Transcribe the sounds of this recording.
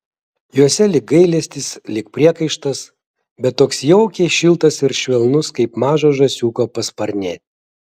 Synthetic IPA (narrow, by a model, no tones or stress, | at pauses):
juɔsʲɛlʲɪk̚ɡɐɪlʲɛsʲt̪ʲɪslʲɪkpʲɾʲiɛkɐɪʃt̪ɐs | bʲɛt̪ːoːksjɛʊkʲɛɪʃʲɪlˠt̪ɐsɪɾʃʲʋʲɛlˠnʊskɐɪpmɑːʒoːʒɐsʲuːkoːpɐspɐɾʲnʲeːt̪ʲ